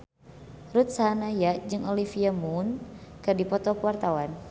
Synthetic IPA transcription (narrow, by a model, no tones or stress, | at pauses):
rut̪̚sanajaʔd͡ʒɨŋolifiamunkɨrdipɔt̪ɔkəwart̪awan